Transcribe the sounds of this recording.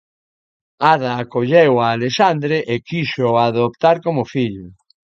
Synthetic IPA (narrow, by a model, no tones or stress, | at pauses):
aðaːkoʎewaːleʃand̪ɾeʔekiʃoaðopt̪aɾkomʊfiʎʊ